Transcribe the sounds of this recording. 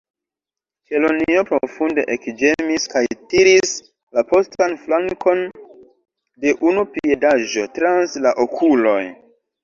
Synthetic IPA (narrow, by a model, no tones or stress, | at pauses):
ke̞lonio̞pɾofunde̞ʔekd͡ʒe̞miskajtiɾis | lapostanflaŋkʰo̞n | de̞ʔunupie̞daʒo̞tɾanslaʔokʰulo̞j